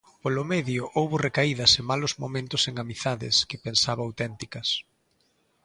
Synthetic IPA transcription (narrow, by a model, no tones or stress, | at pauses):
polʊmɛðjʊʔowβʊrekaiðɐsemalʊzmomẽnt̪ʊseŋamiθaðɪ̰skɪpensaβɐawt̪ɛnt̪ikɐs